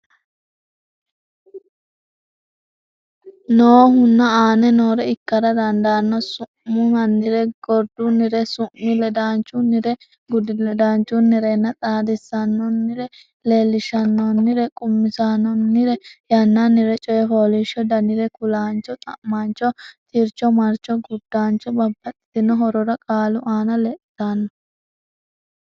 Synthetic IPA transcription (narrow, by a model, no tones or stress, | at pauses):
noːɦʊnːɐaːnɛnoːɾɛɪkːɐɾɐd̪ɐnd̪aːnːɔsʊʔʊnɐnːɪɾɛɡ̥ɔɾd̪ʊnɪɾɛsʊʔːɪlɛd̪aːnt͡ʃʼːʊnɪɾɛ | ɡʊd̪ɪlɛd̪aːnt͡ʃːʊnːɪɾenːɐt̪ʼaːd̪ɪsːɐnːɔnːɪɾɛ | leːlːɪʃɐnːɔnːɪɾɛkʼʊmːɪsanːɔnːɪɾɛjɐnːanɪɾɛt͡ʃʼɔjɛpoːliʃɔd̪ɐnɪɾɛkʊlaːnt͡ʃːɔt̪ʼɐ̰ʔmaːnt͡ʃːɔt̪ʰiɾt͡ʃːɔmɐɾt͡ʃːɔɡʊd̪ːaːnt͡ʃːɔbɐbːɐt̪ʼɪ̥t̪ɪnːɔɦɔɾɔɾɐkʼaːlʊʔaːnɐlɛʔt̪ːanːɔ